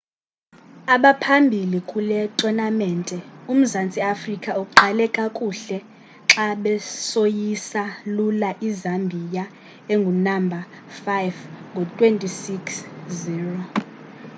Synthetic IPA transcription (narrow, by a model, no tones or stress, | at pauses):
aɓapʰambʱilikʼulɛtʼɔnamɛntʼɛum̩zant͡sʼiafrikʼaukʼuǃʱalɛkʼakʼuɬɛ | ǁaɓɛsojisalulaʔizambʱija | eŋɡʱunambʱa | fajvŋɡʱɔtʼwentʼisiksziːrɔ